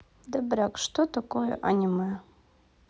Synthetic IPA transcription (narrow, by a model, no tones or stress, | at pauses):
dabrakʼʂtʰotakʼojo̰ʔa̰nʲima